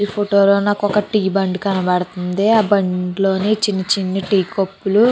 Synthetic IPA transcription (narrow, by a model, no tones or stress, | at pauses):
ipʰoʈoːloːnaːkɔkːɐʈiːbɐɳɖukɐnɐbɐɽɐt̪und̪eːaːbɐɳɖlo̞ːneːt͡ʃinːɐt͡ʃinːɐʈiːkopːulu